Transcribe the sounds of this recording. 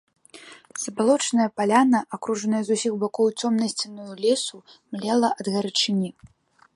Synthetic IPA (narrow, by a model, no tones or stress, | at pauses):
z̥ɐbalˠɔt͡ʂnɐjɐpalʲanɐʔakɾuʐɐnɐjɐzusʲiɣbakɔwt͡sʲɔmnɐsʲt͡sʲinujulʲɛsumlʲɛlˠɐʔɐd̪ɣɐɾɨt͡ʂɨnʲi